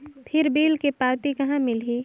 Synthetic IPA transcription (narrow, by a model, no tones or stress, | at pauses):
pʰɪɾbeːlkepaːwt̪ikɐɦãmɪlɦiː